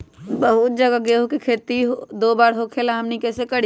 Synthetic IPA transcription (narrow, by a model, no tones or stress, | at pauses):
bɐɦʊt̪̚d͡ʒɐɡaɡeːɦokikʰeːt̪iɦd̪oːbaːɾɦokʰelaɦɐmnikɛːsekɐɽ